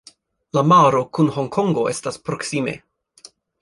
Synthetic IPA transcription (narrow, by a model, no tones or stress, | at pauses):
lamaɾo̞kunho̞ŋkʰo̞ŋɡo̞ʔe̞staspɾo̞ksime̞̰